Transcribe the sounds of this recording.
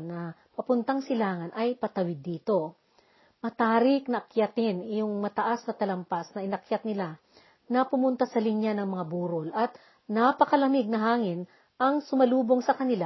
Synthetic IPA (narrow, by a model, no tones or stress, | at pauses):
nɐpɐpʊnt̪ɐŋsɪlaːŋɐnɐjpɐt̪ɐwɪd̪ːiːt̪o̞ | mɐt̪aːɾɪk̚nɐʔɐkjat̪ɪnjoŋmɐt̪ɐʔasnɐt̪ɐlɐmpasnɐʔɪnɐkjat̪nɪla | nɐpʊmʊnt̪asɐlɪnjanɐŋmɐŋabuːɾolʔɐt̪ | napɐkɐlɐmɪɡ̚nɐɦaːŋɪn | ʔɐŋsʊmɐluːbo̞ŋsɐkɐnɪla